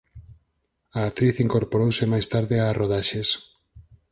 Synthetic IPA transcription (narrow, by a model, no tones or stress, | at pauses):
aːk̚t̪ɾiθiŋkoɾpoɾowsemajst̪aɾðɪaroðaʃes